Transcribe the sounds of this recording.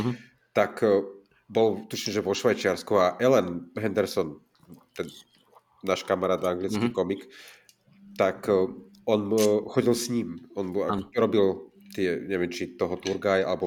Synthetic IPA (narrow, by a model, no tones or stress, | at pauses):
t̪ak | bɔlt̪uʃiɲɛʒɛʋɔʃʋajt͡ʃɪaɾskuaʔɛlɛnɦɛnd̪ɛɾsɔn | t̪ɛnː | aʃkamaɾaːd̪aŋɡlit͡skikɔmik | t̪ak | ɔnxɔɟilsɲiːmɔna̰ɾɔbilt̪ɪɛɲɛʋɛmt͡ʃit̪ɔɦɔt̪uɾɡaja̰lɛbɔ